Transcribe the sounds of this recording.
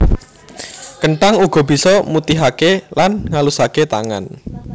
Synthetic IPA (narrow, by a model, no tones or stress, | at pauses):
kəɳʈaŋuɡ̥ɔ̤b̥i̤sɔmut̪iɦakelanŋalusaket̪a̰ŋa̰n